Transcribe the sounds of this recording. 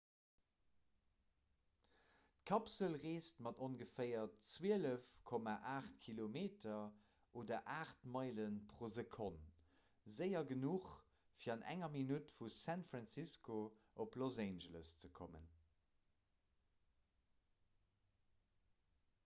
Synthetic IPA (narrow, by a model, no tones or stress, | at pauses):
tkʰɑpsəlʁeːstmɑdonɡəfɜɪɐtt͡swiələfkʰomaʔaːχtkʰilomeːtʰɐ | ʔoːdɐʔaːχtmɑɪlənpχozəkʰont | zəɪɐɡənuχ | fiːɑnʔæ̰ŋɐminutfusæntfʁɑnsiskʰoʔoplozæɪnʒələst͡səkʰomə̰n